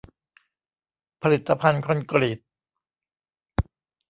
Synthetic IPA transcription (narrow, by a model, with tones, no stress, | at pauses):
pʰa˧li˨˩t̪ːa˧pʰa˧nkʰɔ˧nkɾi˨˩t̪̚